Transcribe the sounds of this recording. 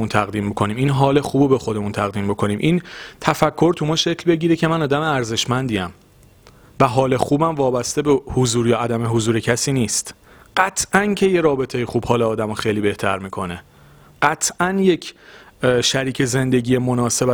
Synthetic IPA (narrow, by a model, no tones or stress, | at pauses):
unt̪ʰæɣd̪iːmbokʰo̞niːmiːnɦɒːle̞xuːbobe̞xo̞d̪e̞munt̪ʰæɣd̪iːmbokʰo̞niːmʔint̪ʰæfækʰːo̞ɾt̪ʰumɒːʃe̞cʰlbe̞ɟiːɾecʰemænɒːd̪æmeæɾze̞ʃmænd̪iæm | væɦɒːle̞xuːbæmvɒːbæst̪e̞behozuːɾjɒːæd̪æmeɦozuːɾecʰæsiːniːst̪ | ɢ̥æt̪ʰʔæncʰe̞je̞ɾɒːbe̞t̪ʰejexuːb̥hɒːleɒːd̪æmoxejliːbe̞ht̪ʰæɾmiːkʰo̞ne | ɢ̥æt̪ʰʔænje̞cʰ | ʃæɾiːcʰe̞ze̞nd̪e̞ɟiːjemo̞nɒːse̞bæ